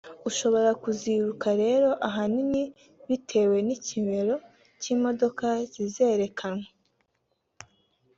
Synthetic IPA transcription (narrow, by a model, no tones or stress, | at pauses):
uʃo̞βo̞ɾakuziɾukaɾe̞ːɾo̞ʔaɦanini | βitʰe̞we̞nicime̞ɾo̞ | ciːmo̞do̞kaz̥ize̞ːɾe̞kʰanŋwe